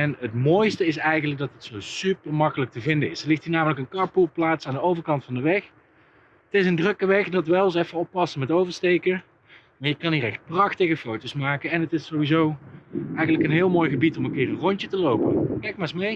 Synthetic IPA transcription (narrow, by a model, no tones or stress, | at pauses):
ɛnətmoːjstəɪsɛjɣənlək̚dɑtətsowsypəɹmɑkələk̚təvɪndəɪsdəlɪxtiːɹnaːmələkənkɑɹpulˠplaːtsaːndəowvəɹkɑntfɑndəʋɛx | ətɪsəndrɵkəʋɛxdɑtʋɛlˠɑs̬ɛfəɔpːɑsəmɛtowvəɹstejkə | maːɹjəkɑniːɾɛxt̚prɑxtəɣəfowtowsmaːkəɛnətɪsowʋizowɛjɣənləkənɦɪːlˠmoːjɣəbitɔmənkɪːrənrɔɲtətəlowpə̰kɛjk̚maːɹsmej